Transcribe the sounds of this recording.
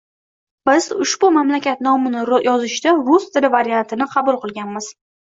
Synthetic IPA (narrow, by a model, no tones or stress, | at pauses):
bɪzʊʃbʊmamlakʲʰat̪̚nɒmɪnɪjɒzɪʃd̪aɾʊst̪ʰɪlɪvaɾijant̪ʰɪnɪqʰɑbʊlˠqɨlˠɡʲanmɪz̥